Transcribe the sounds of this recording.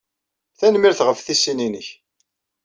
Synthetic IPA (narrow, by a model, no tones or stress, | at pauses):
θænmiɾθʁəfθisːininə̰ç